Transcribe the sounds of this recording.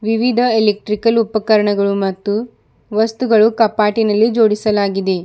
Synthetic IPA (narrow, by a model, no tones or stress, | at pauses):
ʋiʋid̪ʱɐelek̚ʈɾikɐlupɐkɐɾɐɳɐɡɐɭumɐt̪ːu | ʋɐst̪uɡɐɭukɐpaːʈinɐlːid͡ʒo̞ːɽisɐlaːɡid̪e̞